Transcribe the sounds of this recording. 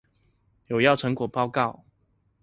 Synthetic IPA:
jo˨˩ʊjɑ˥˩ʊʈ͡ʂʰɤ˧˦ŋkwɔ˨˩pɑ˥˧ʊkɑ˥˨ʊ

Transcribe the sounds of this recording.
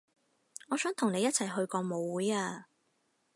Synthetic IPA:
ŋɔː˨˧sœː˨˥ŋt̪ʰʊ˨˩ŋne˨˧jɐ˥t̚t͡sʰɐ˨˩jɦɵ˧ɥkɔː˧mo˨˧wːuː˨˥jaː˧

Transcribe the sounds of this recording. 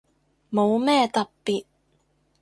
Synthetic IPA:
mo˨˧wmɛː˥t̪ɐ˨ppiː˨t̚

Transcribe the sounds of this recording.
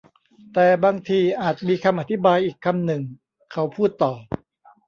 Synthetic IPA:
t̪ɛː˨˩baː˧ŋt̪ʰiː˧ʔaː˨˩t̪̚miː˧kʰa˧mʔa˧t̪ʰi˦˥baː˧jʔiː˨˩kʰːa˧mnɯ˨˩ŋ | kʰa˦˥wpʰuː˥˩t̪ːɔː˨˩

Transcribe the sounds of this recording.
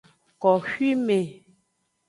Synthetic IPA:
kɔ˨hɥi˦me˨

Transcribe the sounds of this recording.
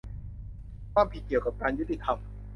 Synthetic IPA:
kʰwaː˥˩mpʰi˨˩t̪̚ki˨˩əwka˨˩p̚kaː˧nju˦˥t̪ːi˧˩t̪ʰa˧m

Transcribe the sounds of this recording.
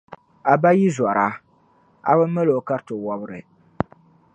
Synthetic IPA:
a˨ba˦ji˦zwa˨ɾa˦ | a̰˨bɨ˦m˦mə˦lo˨ka˦ɾto˨wɔ˦bɨ˦ɾɨ˨

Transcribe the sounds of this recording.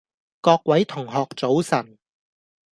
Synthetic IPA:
kɔː˧k̚wɐ˨˥jt̪ʰʊ˨˩ŋɦɔː˨k̚t͡so˨˥wsɐ˨˩n

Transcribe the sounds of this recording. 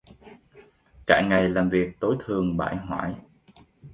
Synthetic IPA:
ka̰ː˧˩ŋa˨˩jlaː˨˩mvi˨˩ək̚t̪o˨˦jt̪ʰɨ˨˩əŋɓa̰ː˧˩jɦwa̰ː˧˥˩j

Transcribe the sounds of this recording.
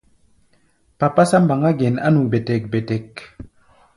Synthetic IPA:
pa˨pa˦sa˦m˦ba˨ŋa˦ɡɛ˨na̰˦nu˨be˨tɛ˨k̚bɛ˨tɛ˨k

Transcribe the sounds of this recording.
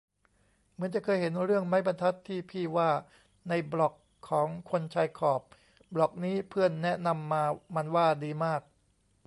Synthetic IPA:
mɯ˩˦ənt͡ɕa˨˩kʰɤː˧jɦe˩˦nɾɯ˥˩əŋma˦˥jba˧nt̪ʰa˦˥t̪ʰːiː˥˩pʰiː˥˩waː˥˩ | na˧jblɔ˨˩kʰːɔː˩˦ŋkʰo˧nt͡ɕʰaː˧jkʰɔː˨˩p̚ | blɔ˨˩k̚niː˦˥pʰɯ˥˩ənːɛ˦˥ʔna˧mːaː˧ma˧nwaː˥˩diː˧maː˥˩k̚

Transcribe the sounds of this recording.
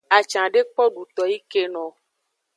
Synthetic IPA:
a˨t͡ʃã˨ɖe˦k͡pɔ˦ɖu˨t̪ɔ˨ji˦ke˦nɔ̃˨

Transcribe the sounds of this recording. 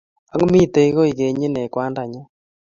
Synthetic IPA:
a˦ŋ˦mi˦˨t̪e˦i˦ɣo˦i˨ɣe˨ɲi˦nɛ˨kwa˦nda˨ɲa˦

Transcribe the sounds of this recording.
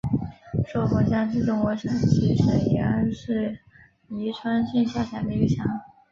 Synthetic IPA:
ʂo˥˩xɔ˧˥ɕjɑ˥ŋʈ͡ʂɻ̩˥˩ʈ͡ʂʊ˥˩ŋwɔ˧˥ɕjɑ˨˩ŋt͡ɕʰi˧˥ʂɻ̩˥i˧˥a̰˥nʂɻ̩˥˩ | i˧˥ʈ͡ʂʰwa˥nɕy˥˧ɕja˥˩t͡ɕʰa˨˩d̪ə˧˥y˥˩ɕʰjɑ˧˥ŋ

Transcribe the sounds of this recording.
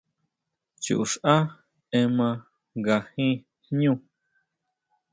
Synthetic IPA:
t͡ʃṵ˨ʔu˨ʂʔa˦ | ẽ˧mã˧ | ɡa˨hĩ˦ | ɲũ˦˧

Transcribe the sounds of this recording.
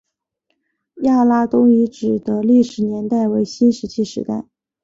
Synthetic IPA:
ja˥˩la˥t̪ʊ˥ŋi˧˥ʈ͡ʂɻ̩˨˩d̪ə˦li˥˩ʂɻ̩˧˥njɛ˧˥nt̪a˥˩ɪwe˧˥ɪɕi˥nʂɻ̩˧˥t͡ɕʰi˥˩ʂɻ̩˧˥ka̰˥˩˦

